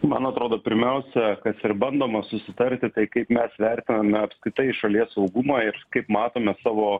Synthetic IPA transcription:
mɐnɐt̪ɾoːd̪oːpʲɪɾʲmʲɛʊsʲɛkɐsɪɾbɐnd̪oːmɐsʊsʲɪt̪ɐɾʲt̪ʲɪt̪ɐɪkɐɪpmʲɛsʋʲɛɾʲt̪ʲɪnɐmʲɛɐpskɾʲɪt̪ɐɪʃɐlʲiɛsɐʊɡʊmɑːɪɾkɐɪpmɑːt̪oːmʲɛsɑːʋoː

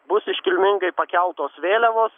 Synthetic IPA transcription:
bʊsɪʃʲkʲɪlʲmʲɪŋɡɐɪpɐkʲɛlˠt̪oːsʋʲeːlʲɛʋoːs

